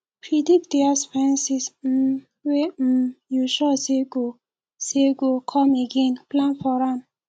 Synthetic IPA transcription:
pɾidikdɛasfɛ̃nsis̩ | wejuʃɔseɡo | seɡokʰɔ̃meɡẽnplãnfɔɾãn

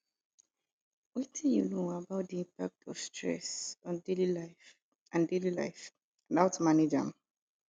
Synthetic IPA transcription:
wɛtʰĩnjunoabaʊt̚diĩmpak̚tʰɔv̥stʰɹɛ̰sɔ̃ndelilaɪf | ãndelila̰ɪf | ãnaʊtmaned͡ʒã̰m

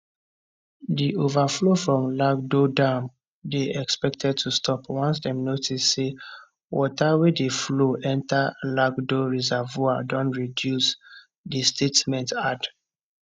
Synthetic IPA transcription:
diʔovaflofɹɔ̃mlaɡ̚dodãm | deɛkspɛk̚tʰɛd̚tʰustʰɔpwɔ̃ns̬dɛ̃mnotisːe | wɔtawedefloʔɛ̃ntalaɡdoɹizavuadɔ̃ntɹidjus | distʰetmɛ̃ntad

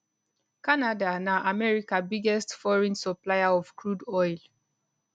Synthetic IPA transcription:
kanadanaʔamɛɹikabiɡɛstfɔɹĩnsɔplajaɔfkɹudɔjl

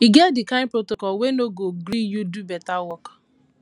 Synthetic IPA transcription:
iɡɛt̚dɪkãnpɾotokɔlwenoɡoɡɾijudubɛtawɔk

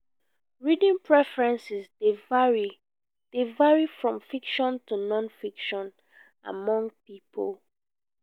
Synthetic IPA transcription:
ɹidĩŋpʰɹɛfɹɛ̃nsisdevɹi | d̥evaɹifɹɔ̃mfikʃɔ̃ntunɔ̃nfikʃɔ̃n | a̰mɔ̃ŋɡ̚pipʰol

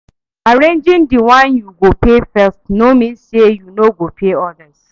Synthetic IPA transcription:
aɹẽnd͡ʒĩndiwãnjuɡopefɛstnomĩnsejunoɡopʰeɔdəz

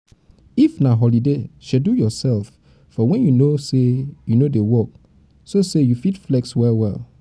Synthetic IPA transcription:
ifnaɦɔlideʃɛdujɔsɛlf | fɔwɛ̃njunosejunodewɔk̚ | sosejufitflɛkswɛlwɛ̰l

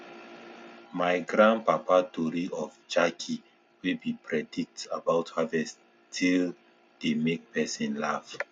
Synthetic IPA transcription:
majɡɹãnpapadoɾiʔɔfd͡ʒakʰi | wibipʰɹɛdik̚tabaʊthavɛs | tʰil | d̥emek̚pɛsĩnlav

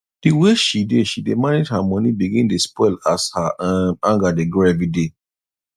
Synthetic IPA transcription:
d̥iweʃideʃidemaned͡ʒhamɔ̃nibiɡĩndespɔɪlashaʔamãŋɡadeɡɹevide

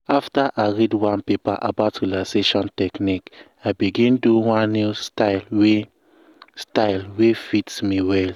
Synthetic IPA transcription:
aftaʔaɪɹidwãnpepaʔa̰baʊtɹilaseʃɔ̃ntɛknik | abiɡĩnduwãnnːjustaɪlwe | staɪlwefitsmiwɛl

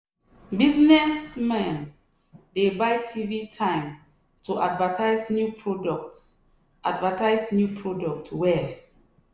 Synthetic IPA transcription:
biznɛsmɛ̃n | debaɪtʰivitʰãɪ̃m | tuʔadvatʰaɪznjupʰɹɔdɔkt | ʔadvətaɪznjupʰɹɔdɔk̚twɛl

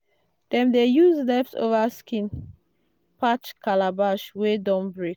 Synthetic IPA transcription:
d̥ɛ̃mdejuzdɛpso̰vaskĩn | pʰat͡ʃkʰalabaʃwedɔ̃nbɹek

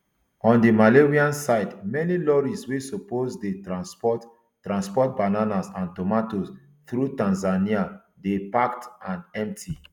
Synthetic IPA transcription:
ɔ̃ndimaleɹiãnsaɪdmɛnilɔɹiswesopozdeasɔ | tɹãnspɔt̚bananasãntɔmatos | θɾutãnzania | depaktãnɛ̃mp̚tʰi

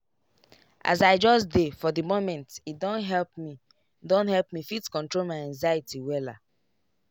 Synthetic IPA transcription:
ʔa̰zaɪd͡ʒɔsdefɔðəmomɛ̃ntidõnɦɛlp̚mi | dõnhɛlpmifitkɔ̃ntɹolmaɪãŋzaitiwɛla̰

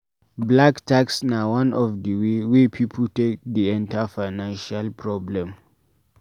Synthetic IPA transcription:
blaktʰaksnawãnɔfdəwewepʰipʰl̩tek̚diɛ̃ntʰafaɪnãnʃalpʰɹɔblɛ̃m

